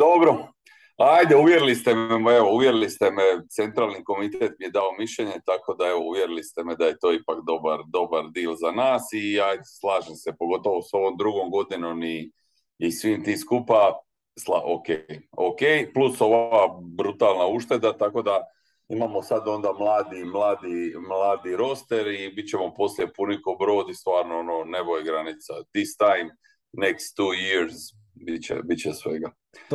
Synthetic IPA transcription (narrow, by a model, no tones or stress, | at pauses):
d̪obɾo̞ | ajd̪euʋje̞ɾilist̪ememoeʋouʋjeɾilist̪e̞met̪se̞nt̪ɾaːlˠniko̞mit̪et̪mijed̪ao̞miʃʎe̞ɲe̞t̪ako̞d̪ae̞ʋo̞uʋjeɾilist̪emed̪aje̞t̪o̞ːipakd̪o̞baɾd̪o̞baɾd̪iːlzanaːsiajd̪eslˠaːʒemsepo̞ɡo̞t̪o̞ʋo̞so̞ʋo̞md̪ɾuɡomɡo̞d̪inomiː | sʋiːmt̪iːskupa | sla̰ʔokejokejpluso̞ʋabɾut̪aːlˠnauʃt̪e̞d̪at̪ako̞d̪a | imamo̞sad̪o̞nd̪amlˠaːd̪imlˠaːd̪imlaːd̪iɾo̞st̪eɾibit̪̚t͡ɕe̞mo̞po̞sljepunikobɾo̞ːd̪ist̪ʋaːɾnoonone̞bojeɡɾanit̪sad̪ist̪ajm | nekst̪ːuːjiɾz | bit͡ɕḛbitt͡ɕesʋeɡa